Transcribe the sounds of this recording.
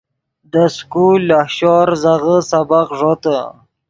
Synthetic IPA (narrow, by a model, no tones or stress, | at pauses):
d̪əskulahɕɔɾzaɣəsabaqʐot̪ə